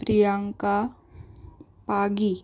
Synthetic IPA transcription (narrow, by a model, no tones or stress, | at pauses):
pɾijaŋka | paɡi